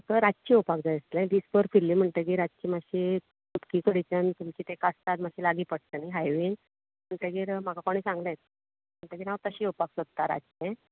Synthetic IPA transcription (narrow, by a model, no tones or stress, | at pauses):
t̪əɾad͡zt͡ɕiopak̚d͡zajəst̪lɛ̃ɖ̪iːspəɾfilːim̤əɳʈ̪ək̬iːɾad͡zt͡ɕimaɕi | tupkiːkəɽit͡ɕənt̪umt͡ɕiːt̪ẽkast̪at̪maɕiːlaɡiːpəɽ̚t̪əniɦajʋin | m̤əɳʈ̪əɡiːɾmakakoɽ̃iːsãŋɡnajt̪̚ | m̤əɳʈ̪əkinaʋt̪əɕiːopaksot̪ːaɾa̰d͡zt͡ɕɛ̃